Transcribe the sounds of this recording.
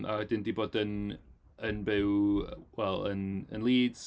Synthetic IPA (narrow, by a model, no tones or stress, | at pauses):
ʔa̰ɛdɪndiboːdən | ənbɪwwɛlˠə̰nə̰nlˠiːdz̥